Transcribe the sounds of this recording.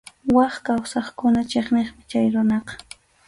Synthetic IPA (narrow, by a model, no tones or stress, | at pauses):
wɑχkawsɑχkʊnat͡ʃeχneχmɪt͡ʃajɾʊnɑqɑ̥